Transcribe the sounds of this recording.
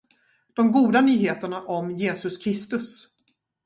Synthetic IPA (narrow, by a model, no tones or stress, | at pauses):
d̪̥ɔmɡuːd̪anyːɦeːt̪əɳaʔɔmjeːsɵskʲʰɾɪst̪ɵs